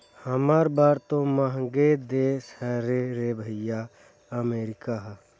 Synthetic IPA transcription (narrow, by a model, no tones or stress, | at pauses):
həmaːɾbaːɾt̪õmɐɦɡed̪eːshɛɾeɾebʱəja | ɐmeːɾɪkaɦ